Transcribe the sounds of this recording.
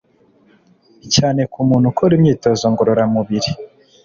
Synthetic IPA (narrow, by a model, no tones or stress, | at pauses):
caːne̞kumuːn̥hukʰoɾimɲiːto̞zoŋɡoɾo̞ɾamuβiɾi